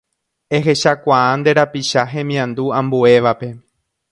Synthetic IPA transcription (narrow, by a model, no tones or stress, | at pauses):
e̞ɦe̞ʃakʷaãnd̪e̞ɾapiʃaɦẽ̞mĩãnd̪uãmbue̞ʋape̞